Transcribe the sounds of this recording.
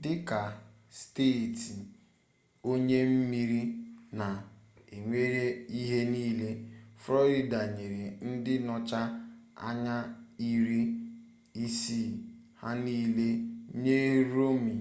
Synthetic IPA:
dɪ˦ka˨ | steː˦˨ti˨ | o˦ɲe˦m̩˦mi˦ɾi˦na˨ | e˨ŋʷe˦ɾe˦i˦ɦe˦niː˦le˦fɾɔ˦ɾi˨da˨ɲe˨ɾe˨n̩˦dɪ˦nɔ˦t͡ʃa˦a̰˦ɲa˦i˦ɾi˦ | i˦si˦˨ | ha˦niː˦le˦ɲe˦ɾo˦mi˨

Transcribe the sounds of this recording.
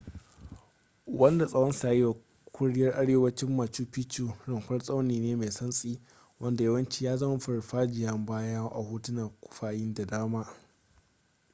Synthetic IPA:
wɐ˦nda˨sʼɐ˦wɐ˦nsaː˨ji˦wa˨ | kʷʊ˦ɽɪ˦jɐ˦rʔa˦ɽeː˦wɐ˦t͡ʃɪ˦mːa˨t͡ʃuː˦pi˦t͡ʃuː˨ɽɪ˨ŋkʷɐ˦rsʼa˦wniː˨neː˦ma˨sɐ˦nsʼiː˦ | wɐ˦nda˨jɐ˦wɐ˦nt͡ʃi˦jaː˦zɐ˦ma˦ɸʊ˨ɽɸaː˦d͡ʒɪ˨jɐ˦mbaː˦ja˦ʔa̰˨huː˦tʊ˦na˨kʷʊ̥˦ɸaː˦jɪ˦nda˨daː˦maː˦

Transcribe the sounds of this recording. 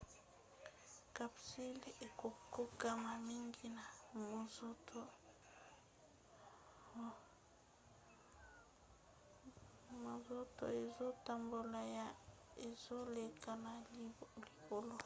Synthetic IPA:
ka˨psi˦le˨ko˨ko˦ka˦ma˨mi˦ŋɡi˦na˨mo˨zo˦to˦˨ | mo˨zo˦to̰˨e˨zo˦ta˨mbo˨la˨ja˦e˨zo˦le˨ka˨na˨lli˨ko˨lo˦

